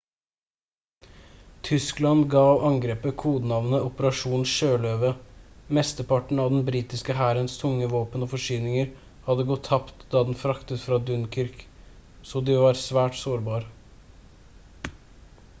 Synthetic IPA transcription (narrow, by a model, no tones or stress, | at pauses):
t̪ʰʏsklɑnɡɑːʋɑŋɡɾeːpəkʰuːd̪nɑʋnəʔɔpəɾɑʂuːnʃøːlœːʋəmɛst̪əpɑʈɳ̩ɑʋd̪ɛn̩bɾiːt̪ɪskəɦæːɾənst̪ʰʊŋːəʋoːpənoːfɔʂyːnɪŋəɾ | hɑd̪əɡɔt̪ʰːɑpt̪d̪ɑːd̪ɛnfɾɑkt̪ət̪fɾɑd̪ʉnkʰɪɾk | soːd̪ɪʋɑɾsʋæːʈsoːɾbɑːɾ